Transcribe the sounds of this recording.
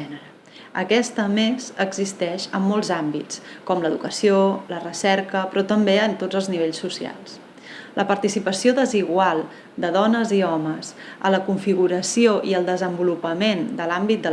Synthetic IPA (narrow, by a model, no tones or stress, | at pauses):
ɛə | ə̰kɛst̪əmezəɡzist̪ɛʃəmːɔlˠzambitt͡skɔmləðṵkəsiolərəsɛɾkəpɾɔt̪əmbeənt̪od͡zəlˠzniβ̞eʎsːusia̰lˠs | lʔəpəɾt̪isipəsioðəziɣwalˠ | d̪əðɔnəziɔməsə̰ləkuɱfiɣuɾəsioʔiəlˠd̪əzəmbulupəmend̪əlambit̪̚d̪ə